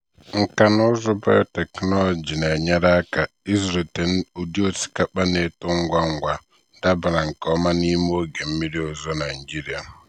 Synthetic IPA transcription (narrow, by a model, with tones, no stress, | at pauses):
ŋ̩˨ka˨nʊ˦zʊ˦ba̰˦te˨knɔ˦lɔ˨d͡ʒi˨ne˨ɲe˦ɾa˦ka˨ | i˦zɾe˨te˨n̩˦o˨di˦o˦si̥˨˦ka˦k͡pa˦ne˦tʊ˦ŋ̩˦ɡʷa˦ŋ̩˦ɡʷa˨ | da˦ba˨ɾa˨ŋ̩˨kɔ˦ma˦ni˦m˦o˦ɡe˨m̩˦mi˦ɾi˦o˦zo˦na˨n̩˨d͡ʒi˦ɾi˨a˨